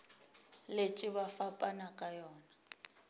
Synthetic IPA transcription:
let͡ʃʼɪβafapʼanakʼajɔːna

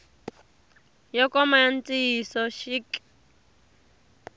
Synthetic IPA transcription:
jɔkɔmaant͡sʼisɔʃik

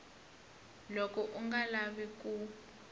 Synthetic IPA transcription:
lɔkʼɔʔuŋɡalaɓik̬ʼu

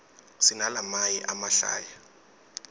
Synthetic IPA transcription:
sinalamajiʔamaɬa̰ːja

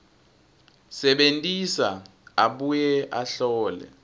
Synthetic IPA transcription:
sɛɓentʼisa | aɓujɛʔaɬɔːlɛ̰

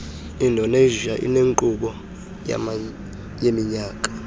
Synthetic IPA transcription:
indʱɔneʒiaʔḭneŋǃuɓɔ | ja̰m | jemiɲaːkʼḁ

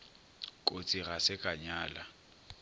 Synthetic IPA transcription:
kʼot͡sʼiɣasɪkʼaɲaːla

